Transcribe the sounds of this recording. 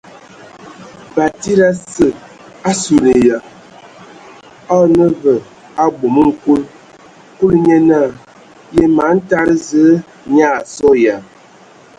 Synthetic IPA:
ba˨ti˦ɾa˦sə˨ | a˦su˨ɾe˨ja˨ | ɔ˦nə˦və˨ | a˦ɡ͡bo˨mə˦ŋ̩˦ku˦l | ku˦lɲɛ˦na˦˨ | je˦ma˨˦n̩˦ta˦ɾə˦zə˦ | ɲa˦˨sɔ˦ja˨

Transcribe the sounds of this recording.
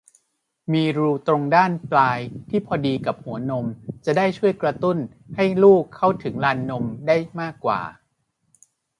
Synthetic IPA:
miː˧ɾuː˧t̪ɾo˧ŋdaː˥˩nplaː˧jt̪ʰiː˥˩pʰɔː˧diː˧ka˨˩p̚hu˩˦ɐno˧mt͡ɕa˨˩daː˥˩jt͡ɕʰu˥˩əjkɾa˧t̪u˥˩n | ha˥˩jluː˥˩kʰːa˥˩wt̪ʰɯ˩˦ŋlaː˧nːo˧mdaː˥˩jmaː˥˩kːwa̰ː˨˩

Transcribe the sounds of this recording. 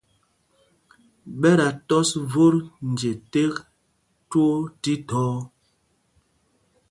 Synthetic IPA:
ɓɛ˦ɾa˨tɔ˦svo˦ɾn˨d͡ʒe˨te˦k | two˦ti˦tɔː˦

